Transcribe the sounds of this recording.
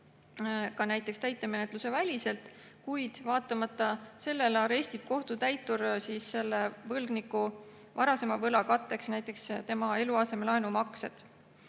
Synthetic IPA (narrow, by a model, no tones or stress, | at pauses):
kɑnæjt̪ːˑe̞kst̪æjt̪ːˑe̞me̞ne̞t̪ˑluse̞vælʲise̞lt̪ | kujd̪̥vɑːt̪ːˑɑmɑt̪ːˑɑse̞lːe̞lɑɾe̞sʲt̪ib̥̚ko̞ht̪ut̪æjt̪ːursisːe̞lːevɤlɡ̥nikːu | vɑɾɑse̞mɑvɤlɑkɑt̪ːˑe̞ksnæjt̪ːˑe̞kst̪e̞mɑe̞luɑse̞melɑenumɑksed̪̥